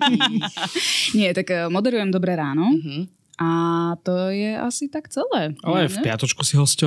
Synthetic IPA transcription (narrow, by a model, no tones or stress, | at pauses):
ɲɪɛt̪akːmɔd̪ɛɾujɛmd̪ɔbɾɛɾaːnɔɦ | at̪ɔjɛʔa̰sit̪akt͡sɛlɛːʔalɛfpɪat̪ɔt͡ʃkusiɦɔscɛ